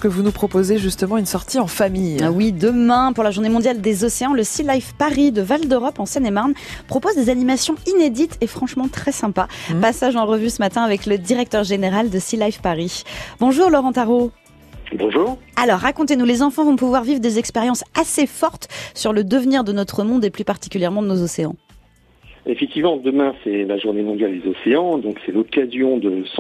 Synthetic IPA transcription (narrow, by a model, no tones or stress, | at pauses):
kəvunupχɔpozeʒyst̪əmɑ̃ynsɔʁt̪ʰiɑ̃famijwid̪əmɛ̃puʁlaʒuʁnemɔ̃d̪jald̪ezɔseɑ̃ləsilajfpaʁid̪əvald̪øʁɔpɑ̃sɛnemaʁnpχɔpozd̪ezanimasjɔ̃ined̪it̪efχɑ̃ʃmɑ̃t̪χɛsɛ̃papasaʒɑ̃ʁəvysəmat̪ɛ̃avɛkləd̪iʁɛk̚t̪œʁʒeneʁald̪əsilajfpaʁibɔ̃ʒuʁlɔʁɑ̃t̪aʁo | bɔ̃ʒuːʁalɔʁːakɔ̃t̪enulezɑ̃fɑ̃vɔ̃puvwaʁvivʁd̪ezɛkspeʁjɑ̃sasefɔʁt̪syʁləd̪əvniʁd̪ənɔt̪χəmɔ̃d̪eplypaʁt̪i̥kʲyljɛʁmɑ̃d̪ənozɔseɑ̃ | efɛk̚t̪ivmɑ̃d̪əmɛ̃sɛlaʒuʁnemɔ̃d̪jald̪ezɔseɑ̃d̪ɔ̃ksɛlɔkazjɔ̃d̪əs